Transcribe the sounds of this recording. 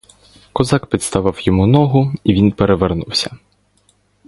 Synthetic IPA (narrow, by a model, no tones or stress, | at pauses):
kɔzɑkpʲit̪st̪ɐʋɑwjɔmunɔɦʊiʋʲinpeɾeʋernuwsʲɐ̥